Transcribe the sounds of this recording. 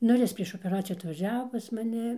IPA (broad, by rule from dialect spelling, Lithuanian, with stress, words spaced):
ˈnʊ ɪr ˈjɪs pʲrʲiɛʃ oːpʲɛˈrɑːt͡sʲɪjuː ɐtʋɐˈʒʲæːʋoː pɐs mɐˈnʲɪ